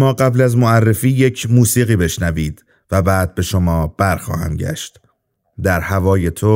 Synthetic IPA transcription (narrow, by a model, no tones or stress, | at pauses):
mɒːɢæblæzmoærːe̞fiːje̞cʰmuːsiːɣiːbe̞ʃnæviːd̪̥ | væbæːd̪̚be̞ʃo̞mɒːb̥æɾxɒ̰ːhæ̰mɟæ̰ʃt̪ | d̪æɾhævɒːje̞t̪ʰo